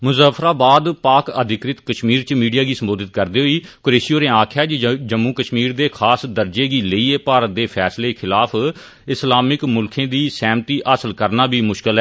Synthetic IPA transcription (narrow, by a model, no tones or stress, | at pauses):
mʊzaːfʰɾaːbaːd̪paːkə̰d̪ɪkɾɪt̪kəʃmiːɾt͡ʃmiːɖijaːɡiːsəmboːd̪ɪt̪kəɾd̪iːɦoiːkoɾeːsijoːnẽːãːkʰjaːd͡ʒd͡ʒəmːũːkəʃmiːɾd̪eːkʰaːsd̪əɾd͡ʒeːɡiːləiːeːpaːɾət̪̚d̪eːpʰɛːsleːkʰɪlaːpʰ | ɪslaːmɪkmʊlkʰẽːd̪iːsɛːmt̪iːʔəsəlkəɾnaːbiːmʊʃkɪlɦɛ